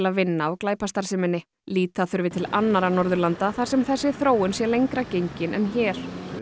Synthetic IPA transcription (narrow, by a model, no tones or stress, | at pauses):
laðvɪnːaɔɣklaːjpast̪aɾ̥sɪmɪnːɪ | liːt̪aθʏɾvɪt̪ʰɪlanːaɾanɔɾðʏɾlant̪aθaɾ̥sɛmθɛsːɪθɾoːwʏnsjɛlejŋkɾacejɲcɪnʔɛnçɛːɾ̥